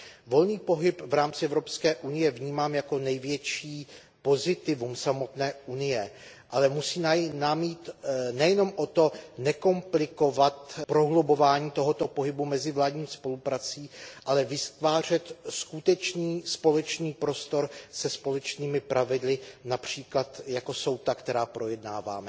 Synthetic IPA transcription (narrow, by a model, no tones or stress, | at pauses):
vo̞lniːpo̞ɦɪpvɾaːmt͡sɪɛvɾopskɛːʔunɪjɛvɲiːmaːmjako̞nɛjvjɛt͡ʃiː | po̞zɪt̪ɪvumsamo̞t̪nɛːʔunɪjɛ | ʔalɛmusiːnanamjiːt̪nɛjɛno̞mʔo̞t̪o̞nɛko̞mplɪko̞vat̪pɾo̞ɦlobo̞vaːɲiːt̪o̞ɦot̪o̞po̞ɦɪbumɛzɪvlaːdɲiːspo̞lupɾat͡siːʔalɛvɪst̪vaːr̝ɛt̪skut̪ɛt͡ʃniːspo̞lɛt͡ʃniːpɾo̞st̪o̞ɾsɛspo̞lɛt͡ʃniːmɪpɾʔavɪdlɪnapr̝̥iːklat̪jako̞so̞wt̪akt̪ɛɾaːpɾo̞jɛdnaːva̰ːmɛ